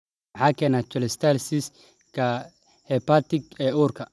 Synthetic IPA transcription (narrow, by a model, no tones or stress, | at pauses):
ħɑːkʰɛːnaːt͡ʃɔlɛst̪ʰalsɪs | kʰɐ | hɛpat̪ɪɡɛːuːrkʰɐ